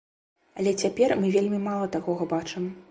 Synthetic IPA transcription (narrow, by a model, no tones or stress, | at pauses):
ɐlʲɛt͡sʲapʲɛrmɨvʲelʲmʲimalˠɐt̪akɔɣɐbat͡ʂɨm